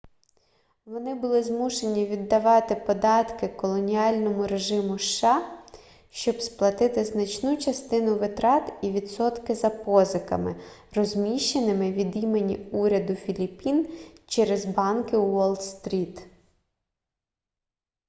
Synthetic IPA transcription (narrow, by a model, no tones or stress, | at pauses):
ʋɔnɪbʊlˠɪzmuʃe̞nʲiʋʲid̪ːɐʋɑt̪ɪpɔd̪ɑt̪kɪkɔlˠɔnʲijɑlʲnɔmʊɾe̞ʒɪmʊʃːɑ | ʃt͡ʃɔbsplˠɐt̪ɪt̪ɪznɐt͡ʃnut͡ʃɐst̪ɪnʊʋɪt̪ɾɑt̪iʋʲid̪sɔt̪kɪzɐpɔzɪkɐmɪ̰rɔzmʲiʃt͡ʃenɪmɪʋʲid̪imenʲiuɾʲɐd̪ʊfʲilʲipʲint͡ʃɛɾezbɑnkɪwɔlˠd̪st̪ɾʲit̪